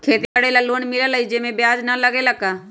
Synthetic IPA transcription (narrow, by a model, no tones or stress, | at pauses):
kʰeːt̪eəɽelaːloːnmɪlaːləiːd͡ʒeːmẽːbɪjaːd͡ʒnə̃ləɡeːləɡaː